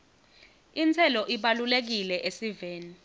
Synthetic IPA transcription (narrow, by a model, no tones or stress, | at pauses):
int͡sʰɛlɔʔiɓalulek̬ilɛʔesiveːni